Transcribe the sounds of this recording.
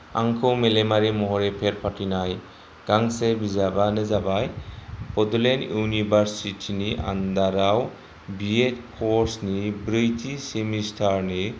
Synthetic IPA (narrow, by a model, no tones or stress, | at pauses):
a̰ŋkʰɯwmelemaɾimɔɦɔɾɛpʰeɾpʰatinaj | ɡ̥aŋsebizabanɯzabajbɔd̪ulenunibaɾsitʰiniʔa̰nd̪aɾaw | biet̚pʰɔɾsnibɾijtʰisemistʰaɹni